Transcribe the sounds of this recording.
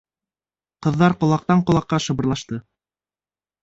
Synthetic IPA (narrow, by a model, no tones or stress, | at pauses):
qɤ̆ðːɑɾqŏlˠɑq̚t̪ɑɴqŏlˠɑqːɑʃɤ̆βɤ̆ɾlˠɑʃt̪ɤ